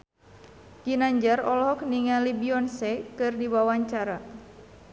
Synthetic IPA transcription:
d͡ʒinaɲd͡ʒarɔlɦɔk̚niŋalibiɔnsɛkɨrdiwawaɲt͡ʃaɾa

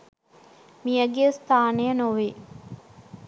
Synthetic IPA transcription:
mijəɡejəst̪ʰaːnejənoʋi

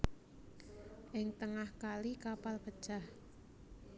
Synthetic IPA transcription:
ʔɪŋt̪əŋahkalikapalpə̥ʒ̥ah

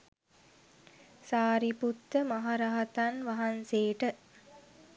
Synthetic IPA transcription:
saːɾiput̪ːəmaɦaɾaɦat̪anʋaɦanseːʈə

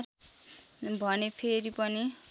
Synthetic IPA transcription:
r | bʱʌnepʰeɾipʌni

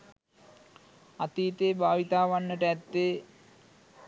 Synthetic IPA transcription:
at̪iːt̪eːbʱaːʋit̪aːʋanːəʈəæt̪ːe

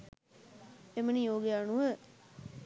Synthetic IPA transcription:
emənijoːɡjaɳuʋə

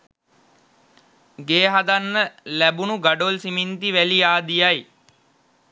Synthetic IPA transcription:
ɡeːɦad̪anːəlæbunuɡaɖolsimint̪iʋæliaːd̪ijaj

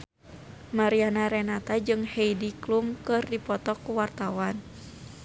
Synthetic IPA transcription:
maɾianaɾɛnat̪ad͡ʒɨŋhɛjdiklumkɨrdipɔt̪ɔkuwart̪awan

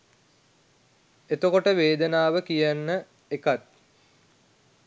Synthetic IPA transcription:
et̪okoʈəʋeːd̪ənaːʋəkijanːə | ekat̪̚

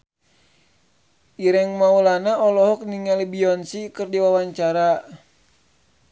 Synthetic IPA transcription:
ʔiɾɛŋmaulanaɔlɔɦɔk̚niŋalibiɔnsikɨrdiwawaɲt͡ʃaɾa

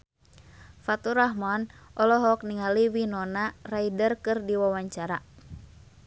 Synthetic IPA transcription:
fat̪uɾaɦmɔnʔɔlɔɦɔk̚niŋaliwinɔnaraidərkɨrdiwawaɲt͡ʃaɾa

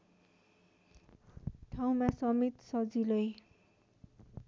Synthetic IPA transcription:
ʈʰaw̃masʌmit̪sʌd͡zilʌj

